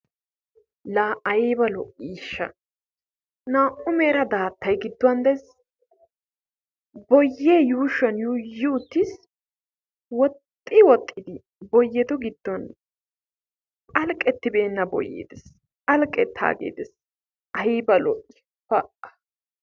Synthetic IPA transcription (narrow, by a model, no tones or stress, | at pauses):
laːʔɐjiːbɐlɔʔiːʃːɐ | naːʔʊmeːɾɐd̪aːt̪ʰːɐjɡɪd̪ːʊwɐnd̪ɛs | bɔjːeːjuːʃɐnjuːjɪʊt̪ːɪs | wɔt̪ʼːɪwɔt̪ʼːɪd̪ɪ | bɔjːɛd̪ɔɡɪd̪ːɔn | ʔɐlkʼɛt̪ːɪbe̞ːnːɐbɔ̰jːḛːd̪ɛs | ʔɐlkʼɛt̪ʰːa̰ːɡḛːd̪ɛs | ʔɐiːbɐlɔʔːɪ̥ | fɐʔɐ̥